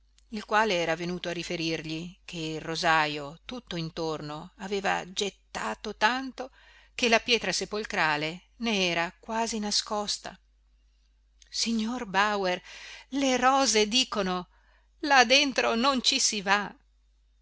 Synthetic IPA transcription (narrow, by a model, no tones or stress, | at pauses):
ilkwaːleɛːɾavenuːt̪oarifeɾirʎikʰeirːozaːjot̪ut̪ːoint̪ornoaveːva̰d͡ʒet̪ːaːt̪ot̪ant̪o | k̟elapjɛːt̪ɾasepolk̪ɾaːle | neɛːɾakwaːzinaskɔst̪a̰ | siɲːorbawerleɾɔːzed̪iːkono | lad̪ent̪ɾonont͡ʃisiva